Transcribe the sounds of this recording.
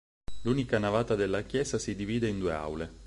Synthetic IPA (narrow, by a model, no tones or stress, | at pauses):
luːnikanavaːt̪ad̪elːakjɛːzasid̪iviːd̪eind̪uːea̰wle